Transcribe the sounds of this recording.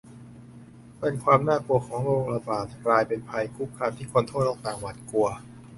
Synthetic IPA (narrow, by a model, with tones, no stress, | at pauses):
pe˧nkʰwaː˧mnaː˥˩ku˧ɐkʰɔː˩˦ŋɾoː˧ŋɾa˧baː˨˩t̪̚klaː˧jpe˧npʰa˧jkʰu˦˥˩p̚kʰːaː˧mt̪ʰiː˥˩kʰo˧nt̪ʰoː˥˩t̪lɔː˥˩ŋt̪aː˨˩ŋwa˨˩t̪̚ku˧ɐ